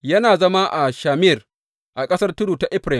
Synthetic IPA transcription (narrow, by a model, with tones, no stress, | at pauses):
jɐ˦naː˨zɐ˦ma˦ʔa˨ʃaː˨mɪ˦˨r | ʔa˨kʼɐ˦sɐ˦rtʊ˦ɽuː˨ta˦ʔɪ˦ɸɾa˨